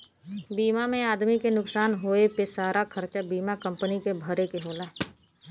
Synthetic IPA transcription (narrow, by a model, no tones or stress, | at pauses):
biːmamẽaːd̪mikenʊksaːnɦoːepesaːɾʔakʰəɾt͡ʃabiːmakə̃mpənikebʱəɾekeɦoːla